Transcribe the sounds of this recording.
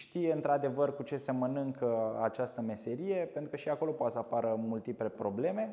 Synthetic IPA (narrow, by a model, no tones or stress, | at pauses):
ʃt̪ijeɨnt̪ɾad̪e̞vərkut͡ʃe̞se̞mənɨŋkʰəat͡ʃast̪əme̞se̞ɾije̞pe̞nt̪ɾukəʃiako̞lo̞poat̪səapaɾəmult̪iplepɾo̞ble̞me̞